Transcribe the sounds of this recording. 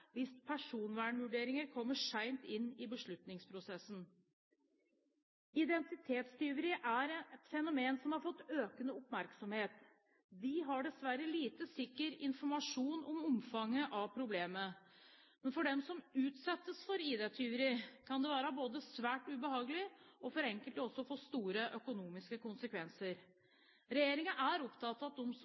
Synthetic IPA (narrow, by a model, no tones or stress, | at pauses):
ʋɪspʰæʂuːnʋæːɳʋʉɖeːɾɪŋəɾkʰɔmːəʂæɪmt̪ɪnːɪbəʂɭʉt̪nɪŋspʰɾʊsɛsːn̩ | ɪd̪ɛnt̪ɪt̪ʰeːt̪st̪yːʋəɾɪʔæɾɛt̪fɛnʊmeːnsɔmhɑɾfɔt̪ːøːkənəʊpmæɾksɔmheːt̪ | d̪ɪɦɑɖɛsʋæɾəliːt̪əsɪkːəɾɪnfɔɾmɑʂuːnɔmɔmfɑŋːəʔɑʋpʰɾʊbleːmə | mɛnfɔɖɛmsɔmʉːt̪sɛt̪ːəsfɔɾiːd̪eːt̪ʰyːʋəɾɪkʰɑnd̪ɛʋæːɾəboːd̪əsʋæːʈʉbəhɑːɡəlɪɔfɔɾɛŋkəlt̪ɔsːɔfɔst̪uːɾəʔœkʊnuːmɪskəkʊnsəkʰʋɛnsəɾ | ɾɛjeːɾɪŋɑʔæɾɔpt̪ʰɑt̪ːɑt̪ɔms